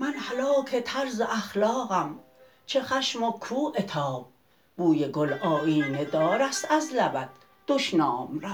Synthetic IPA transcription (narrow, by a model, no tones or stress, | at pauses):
mænhalɒːkʰet̪ʰæɾzeʔæxlɒːɣæm | t͡ʃʰeχæʃmokʰuːʔet̪ʰɒːb̚ | buːjeɡolʔɒːiːned̪ɒːɾæst̪æzlæbæd̪̥ | d̪̥oʃnɒːmɾæ